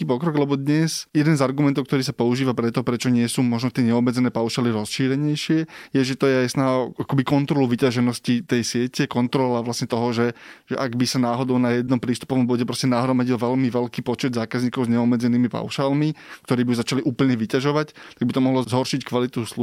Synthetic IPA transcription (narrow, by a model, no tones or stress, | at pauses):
iːpɔkɾɔɡlɛbɔd̪ɲɛsjɛd̪ɛnzaɾɡumɛnt̪ɔʊkt̪ɔɾiːsapɔuʒiːʋapɾɛt̪ɔpɾɛt͡ʃɔɲɪɛsuːmɔʒnɔt̪ɪɛɲɛɔbmɛd͡zɛnɛːpaʊʃaːliɾɔsʃiːɾɛɲɛjʃɪɛjɛʒɛt̪ɔjɛajsnaɦaɔakɔbikɔnt̪ɾɔluʋicaʒɛnɔscit̪ɛjsɪɛcɛkɔnt̪ɾɔlaʋlasɲɛt̪ɔɦɔʒɛʒɛ̰ʔaɡbisanaːɦɔd̪ɔʊnajɛd̪nɔmpɾiːst̪u̥pɔʋɔmbɔɟɛpɾɔscɛnaɦɾɔmaɟilʋɛʎmiʋɛlkiːpɔt͡ʃɛd̪zaːkazɲiːkɔʊzɲɛɔbmɛd͡zɛniːmipa̰ʊʃaːlmikt̪ɔɾiːbijuzat͡ʃaliʔuːpl̩ɲɛʋicaʒɔʋact̪aɡbit̪ɔmɔɦlɔzɦɔɾʃickʋalit̪uslu